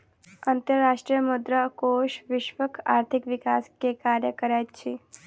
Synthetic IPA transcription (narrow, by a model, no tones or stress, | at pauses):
ənt̪əɾːaːʃʈɾijəmʊd̪ɾəkoʃʋɪʃʋəkʰaːɾt̪ʰikʋɪkaskekaɾjəkəɾajt͡ʃʰe